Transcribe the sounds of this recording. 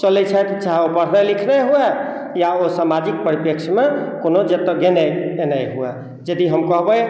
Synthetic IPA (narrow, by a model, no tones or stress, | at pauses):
t͡ʃəlɛt͡ʃʰɛt̪t͡ʃaɦopəɽ̤nɛlikʰnɛɦuɛ | jaosamad͡ʒik̚pəɾipjəkʃʰmekonod͡ʒet̪əɡenɛenəjɦuɛ | d͡ʒəd̪iɦəmkəɦbəj